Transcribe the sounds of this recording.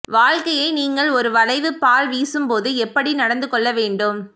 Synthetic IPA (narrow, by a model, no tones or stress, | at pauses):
ʋaːɻkɐjɐɪniːŋɡɐɭɔɾɯʋɐlɐɪʋɯpːaːlʋiːsɯmpoːðɯɛpːɐɽinɐɽɐnd̪ɯkːɔɭːɐʋeːɳɖɯm